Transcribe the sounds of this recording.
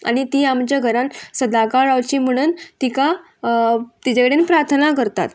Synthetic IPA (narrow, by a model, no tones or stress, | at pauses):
a̰ɽ̃it̪iːamt͡ɕaɡʱəɾansəd̪akaɭaʋt͡ɕiːm̤əɽ̃uːnt̪ika | t̪it͡ɕakəɽenpɾaɾt̪ʰnakəɾt̪a̰t̪